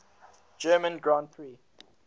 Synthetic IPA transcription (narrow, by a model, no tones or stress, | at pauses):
d͡ʒɜːmə̃nɡɹãntθɹiː